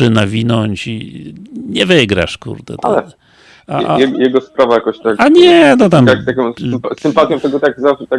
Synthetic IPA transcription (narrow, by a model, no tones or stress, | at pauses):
ɘnavʲinɔɲt͡ɕi | ɲɛvɘɡɾa̰ʂkṵɾd̪ɛ̰t̪a̰lɛ | a̰a̰ɛjɛɡɔspɾavajakɔ̃ɕt̪akaɲɛnɔt̪̬amakt̪akʲɔ̃smpasɨmpat̪ʲjɔ̃w̃t̪ɛɡɔt̪aɡzafɛt̪a